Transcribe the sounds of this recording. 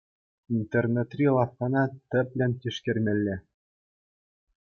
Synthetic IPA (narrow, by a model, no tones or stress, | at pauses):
int̪ernĕt̪rʲilˠɑfkɑnɑt̪ʲɘ̆pʲlʲɘ̆nʲt̪ʲiʂkʲɘ̆rʲmʲɘ̆lʲːɘ̆